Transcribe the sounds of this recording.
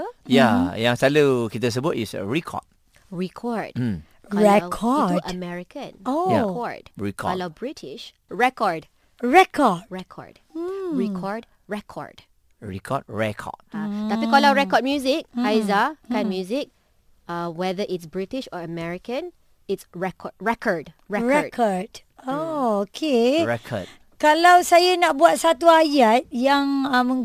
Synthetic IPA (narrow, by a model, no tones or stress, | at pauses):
jajãŋsalukitəs̬əbuʔḭsə̰ɹikʰɔ̰t̚ | ɹikʰɔd̩ | ɔɹɛkʰɔʔəmɛɹikə̃noakɔdɹikʰɔɔlabɹitʰiʃ | ɹɛkɔd | ɹɛkʰɔdɹɛkʰɔ̰d | ɹikʰɔɹd | ɹɛkʰɔ̰ɹd̥ | ɹɛ̰kʰɔ̰d̚ɹɛ̰kʰɔ̰d̚adaikɔlaɹɛkɔd̚mjuzɪk̚ajzakãmjuzɪk̚ | awɛðəʔɪtsbɹitiʃɔəmɛɹikə̃n | ɪtsɹɛkʰɔd̚ɹɛkʰɔd | ɹɛɹɛɔdʰɔd | ookʰeɹɛkʰɔ̰d̚ | kalawsajanaʔ̚buat̚sat̪uajat̪̚jãŋamə̃ŋ